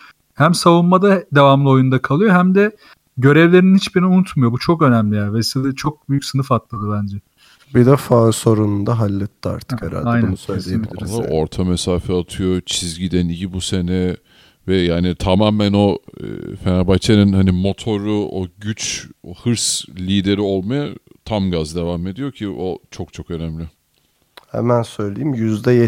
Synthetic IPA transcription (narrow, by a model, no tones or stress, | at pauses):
hæmsavunmad̪ad̪evamlˠɯo̞jund̪akʰalˠɯjo̞ɦæmd̪ɛ | ɟø̞ɾɛvlʲe̞ɾininhit͡ʃbiɾiniunut̪mujo̞but͡ʃʰo̞kø̞næmlʲijæːɾvɛsid̪ʲɛt͡ʃʰo̞k̚byjycsɯnɯfat̪lˠad̪ɯbænd͡ʒɛ | bid̪ɛfaso̞ɾunund̪aɦalʲːɛt̪ːa̰ɾt̪ʰɯkheɾa̰lʲaɛjnoæusaima̰ɾˠaoɾt̪ʰamɛsaːfɛat̪ʰɯjot͡ʃʰizɟid̪ænicibuse̞nɛ | vɛjaːnit̪ʰamaːmæno̞̰fenabajt͡ʃʰenɯnhanimo̞t̪ʰo̞ɾuoɟyt͡ʃohɯɾslʲiːd̪e̞ɾio̞lˠmaja | t̪ʰamɡazd̪e̞vame̞d̪ijo̞ɾcʰiʔo̞t͡ʃʰo̞k̚t͡ʃʰo̞kø̞næmlʲɪ | hɛ̰mænsø̞jlʲejimjyzd̪ɛjɛ